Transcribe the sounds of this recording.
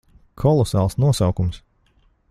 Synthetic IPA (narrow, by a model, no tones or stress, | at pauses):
kʰɔlˠɔsaːlˠsnuɔsawkums